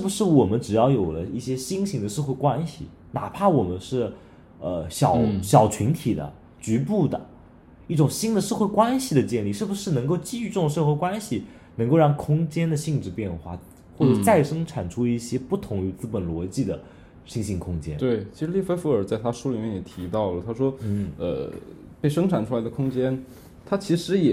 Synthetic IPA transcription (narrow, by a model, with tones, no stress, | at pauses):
ʂɻ̩˥˩bu˧˩ʂɻ̩˥˩wɔ˨˩mə˦nʈ͡ʂɻ̩˨˩jɑ˥˩ʊjo˨˩ʊlə˦i˥˩ɕjɛ˥ɕi˥ŋɕi˧˥ŋd̪ə˧ʂɤ˥˧xwe˥˩ɪkwa˥nɕḭ˨˩ | na̰˨˩pʰa˥˩wɔ˨˩mə˦nʂɻ̩˥˩ | ə˧ɕjɑ˨˩˦ʊɕjɑ˨˩ʊt͡ɕʰi˧˥nt̪ʰi˨˩d̪ə̰˦ | t͡ɕy˧˥pu˥˩d̪ə̰˩ | i˥˩ʈ͡ʂʊ˨˩ŋɕi˥nd̪ə˨˧ʂɤ˥˧xwe˥˧kwa˥nɕi˨˩d̪ə˩t͡ɕjɛ˥˧nli˥˧ʂɻ̩˥˩bu˩ʂɻ̩˥˩nɤ˧˥ŋko˥˧ʊt͡ɕi˥˧y˥˧ʈ͡ʂʊ˥˧ŋʂɤ˥˧xwe˥˩kwa˥nɕi˨ | nɤ˧˥ŋko˥˧ʊɑ˥˩ŋkʰʊ˥ŋt͡ɕjɛ˥nd̪ə˨ɕi˥˧ŋʈ͡ʂɻ̩˥˧pjɛ˥˧nxwa̰˥˩ | xwɔ˥˩ʈ͡ʂɤ˨˩t͡sa˥˩ɪʂɤ˥ŋʈ͡ʂʰa˨˩nʈ͡ʂʰu˥i˥˩ɕjɛ˥pu˥˩t̪ʰʊ˧˥ŋy˧˩t͡sɹ̩˥pə˨˩nlwɔ˧˥t͡ɕi˥˩d̪ə˩ | ɕi˥˧ŋɕi˥˩kʰʊ˥ŋt͡ɕjɛ̰˥nt̪we˥˩ɪt͡ɕʰi˧˥ʂɻ̩˧˥li˥˩fe˥ɪfə˞˨˩t͡sa˥˩ɪt̪ʰa˥ʂu˥li˨˩mjɛ˥˩njɛ˨˩t̪ʰi˧˥t̪ɑ˥˩ʊlə˩t̪ʰa˥ʂwɔ˥˩ə̰˧ | pe˥˩ɪʂɤ˥ŋʈ͡ʂʰa˨˩nʈ͡ʂʰu˥la˧˥ɪd̪ə˧kʰʊ˥ŋt͡ɕjɛ˥n | t̪ʰa˥t͡ɕʰi˧˥ʂɻ̩˧˥jɛ˨˩